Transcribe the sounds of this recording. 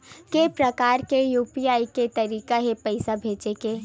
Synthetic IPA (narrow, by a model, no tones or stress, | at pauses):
kepɾɐkaːɾkejuːpijaːiket̪ɐɾiːkaɦepɐɪsabʱeːt͡ʃekeː